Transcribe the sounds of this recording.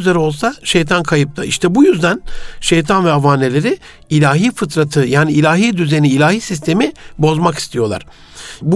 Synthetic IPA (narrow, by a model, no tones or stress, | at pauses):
zeɾo̞lˠsaʃejt̪ʰankʰajɯp̚t̪ʰaʔiʃt̪ʰɛbujyzd̪ænʃejt̪ʰanvɛavaːne̞lʲe̞ɾɪ | ilʲaːɦiːfɯt̪ɾat̪ʰɯjaːniːlʲaːɦiːd̪yze̞niːlʲaːhiːsis̬t̪ʰe̞mibo̞zmaki̥st̪ʰijo̞lˠa̰ɾ̥ | b